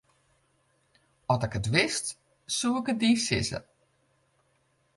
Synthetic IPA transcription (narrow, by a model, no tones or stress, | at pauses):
ɔtɪkətʋɪst | suəkət̚diːsɪ̰sə̰